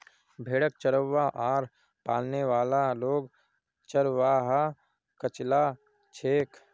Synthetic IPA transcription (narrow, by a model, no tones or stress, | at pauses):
bʱeːɽək̚t͡ʃəɾəʋːaʔaːɾ | paːlneʋaːlaloːɡ | t͡ʃəɾʋaːɦa | kət͡ʃla | t͡ʃʰeːk